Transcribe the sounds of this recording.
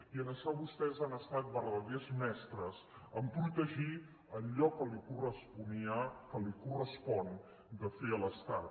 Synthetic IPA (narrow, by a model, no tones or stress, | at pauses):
iənəsaβust̪ɛzanəst̪at̪̚βəɾðəðɛzmɛst̪ɾəzəmpɾut̪əʒi | əʎɔkəlikurəspuniakəlikurəspɔn | d̪əfeələst̪at̪